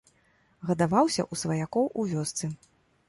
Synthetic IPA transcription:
ɣɐd̪avawsʲɐ̰ʔusvɐjakɔwʔuvʲɔst̪sɨ

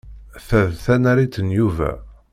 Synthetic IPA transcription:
θæðθænæɾit̪ːənjuvæ̰

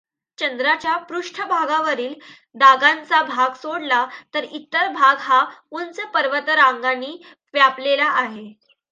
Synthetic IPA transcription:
t͡ɕənd̪ɾat͡ɕjapɾuʂʈʰəbʱaɡaʋəɾiːl | d̪aɡãnt͡sabʱaɡsoɽlat̪əɾit̪ːəɾbʱaɡɦaunt͡səpəɾʋət̪ɾãŋɡanːiː | ʋjaplelaʔːɦe

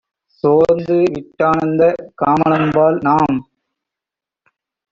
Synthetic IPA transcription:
soːɾnd̪ɯʋɪʈːaːɳɐnd̪ɐkaːmɐnɐmbaːlnaːm

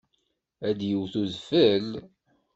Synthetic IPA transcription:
æd̪jəwθuðfəl

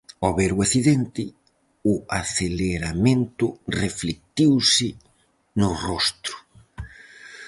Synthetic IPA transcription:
ɔβeɾʊaθiðɛnt̪ɪ | ʊaθeleɾamẽnt̪ʊreflek̚t̪iwsɪ | nʊrɔst̪ɾʊ̥

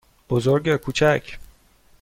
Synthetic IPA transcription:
b̥ozoɾɡɛkʰuːt͡ʃʰæcʰ

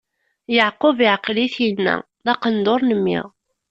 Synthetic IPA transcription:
jəʕqʊvɪʕqliθjənːæ̰ | ðɑqənd̪oɾˤnəmːḭʁ

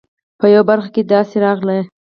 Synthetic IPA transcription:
pəjawabaɾxaked̪ɑseɾɑɣla

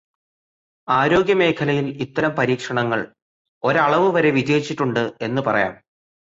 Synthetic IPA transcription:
aːɾo̞ːɡjɐme̞ːkʰɐlɐjilit̪ːɐɾɐmpɐɾiːkʂɐɳɐŋːɐɭ | o̞ɾɐɭɐʋɨʋɐɾe̞ʋid͡ʑeːit͡ɕːiʈːuɳɖɨe̞nːupɐrɐ̰ja̰ːm

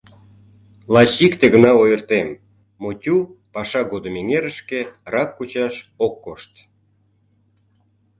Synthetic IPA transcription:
lɑɕikt̪eɣənɑojərt̪emː | otʲupɑʃɑɣod̪əmeŋeɾəʃkerɑkːut͡ɕɑʃokːoʃt̪

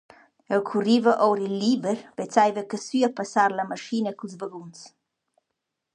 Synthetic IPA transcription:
ɛlkʰurivəʔɔwɾilːibəɾvɛt͡sajvəkəsyapasaɾlamaʃinəkulzvəɡuns

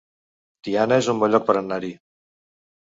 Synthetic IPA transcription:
d̪̥ianəezumbɔʎɔk̚pəɾənːaɾi

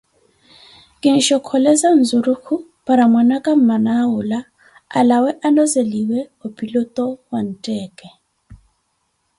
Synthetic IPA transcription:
kʼɪn̩ʃɔkʰɔlɛzan̩zuɾukʰu | pʼaɾamwanakʼam̩manaʊla | a̰lawɛʔalɔzeliwɛopʼilɔtʼɔwan̩tʼɛːkʼɛ

